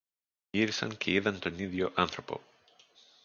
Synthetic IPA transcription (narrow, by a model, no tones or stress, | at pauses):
iɾisɐ̰ncʰe̞iðɐnt̪o̞niðʝo̞ʔɐnθɾo̞po̞̰